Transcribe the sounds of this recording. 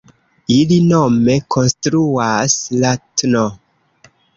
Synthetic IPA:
ilino̞me̞kʰo̞nstɾuaslatno

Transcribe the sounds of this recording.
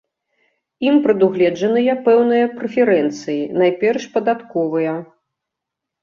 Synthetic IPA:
impɾɨd̪uɣlʲɛd͡ʐɐnɨjɐpɛwnɨjɐpɾɛfʲɛɾɛnt̪sɨjinajpʲɛrʂpɐd̪at̪kɔvɨjɐ

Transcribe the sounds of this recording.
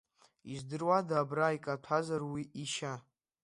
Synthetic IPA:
izdɨrwadaːbraikʼatʷʰazarwiʔiʃa

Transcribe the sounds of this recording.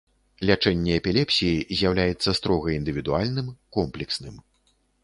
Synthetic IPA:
lʲat͡ʂɛnʲːɛɛpʲilʲɛpsʲijizʲjawlʲajɛt̪sːɐst̪ɾɔɣɐind̪ɨvʲid̪ualʲnɨmkɔmplʲɛksnɨm

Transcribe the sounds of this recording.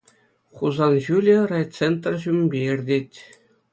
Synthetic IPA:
χuzɑnʑulʲĕrɑj̪t͡sent̪rʑumʲbʲeirʲdʲetʲ

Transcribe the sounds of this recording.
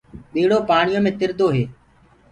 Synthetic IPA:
ɓiːɽoːpaːɳɪjõːmẽːt̪ɪɾd̪oːɦeː

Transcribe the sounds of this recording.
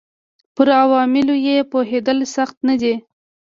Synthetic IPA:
pəɾawɑmɪlojepoɦed̪əlsaxt̪nad̪i

